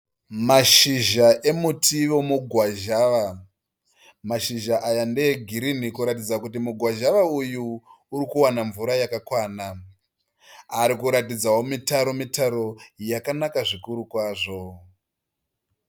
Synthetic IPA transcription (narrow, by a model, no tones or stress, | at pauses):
maʃiʒaʔe̞mutiʋomuɡʱwaʒaʋa | maʃiʒaʔajandeɡʱiɾinikuɾatid͡zakutimuɡʱwaʒaʋaujuː | ɾikuwanaɱvuɾajakakwaːna | aɾikuɾatid͡zawo̞mitaɾo̞mitaɾo̞jakanakaʐikuɾukwaːʐo̞